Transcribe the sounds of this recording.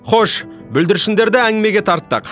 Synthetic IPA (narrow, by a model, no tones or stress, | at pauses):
χoʃ | bʏld̪ɪɾʃɪnd̪e̞ɾd̪ɪæŋʲɪme̞ɡʲe̞t̪ʰɑɾt̪ːɑ̰q